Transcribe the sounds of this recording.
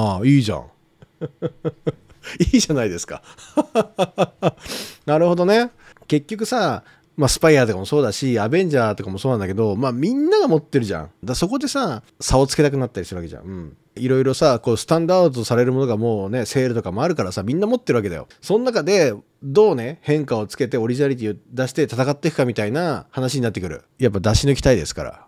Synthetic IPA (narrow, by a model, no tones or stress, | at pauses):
aiːʑã̰ɴ | iːʑanaid̪e̞sɨ̥ka̰ | naɾɯ̟ho̞d̪o̞ne̞ | ke̞kʲːo̞kɯ̟sa | masɨ̥paiaːt̪o̞kamo̞so̞ːd̪aɕiabẽ̞ɲ̟d͡ʑaːt̪o̞kamo̞soːnãnd̪ake̞d̪o̞maːmʲĩnːaɡamo̞t̪ːe̞ɾɯ̟ʑã̰d̪aso̞ko̞d̪e̞sa | sao̞t͡sɨ̥ke̞t̪ak̬ɯ̟nat̪ːaɾʲisɨɾɯβake̞ʑã̰ɯ̟̃ɴ | iɾo̞iɾo̞sako̞ːsɨ̥t̪ãnd̪aɯd̪ot̪osaɾe̞ɾɯ̟mo̞no̞ɡamo̞ːne̞se̞ːɾɯ̟t̪o̞kamo̞aɾɯ̟kaɾasamʲĩnːamo̞t̪ːeɾɯβake̞d̪a̰jo̞̰sõ̞nːakad̪e̞ | d̪o̞ːne̞hẽ̞ŋkao̞t͡sɨ̥ke̞t̪e̞o̞ɾʲiʑinaɾit̪̬ʲiːod̪aɕi̥t̪e̞t̪at̪akat̪ːekɯ̟kamʲit̪ainahanaɕ̬iɲ̟inat̪ːekɯ̟ɾɯ̟̰ | jap̬ːad̪aɕinokʲi̥t̪aid̪e̞sɨ̥ka̰ɾa̰